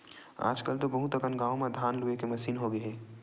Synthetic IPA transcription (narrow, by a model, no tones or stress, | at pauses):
a̰ːd͡ʒkəlt̪obɐɦũt̪ɐkənɡaːʋõmẽd̪ʱaːnluekemɐsiːnɦoɡɐɦeː